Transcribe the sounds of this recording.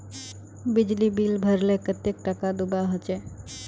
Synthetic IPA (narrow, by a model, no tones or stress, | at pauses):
bɪd͡ʒlibilbʱəɾlekət̪ek̚ʈakad̪ubaɦot͡ʃe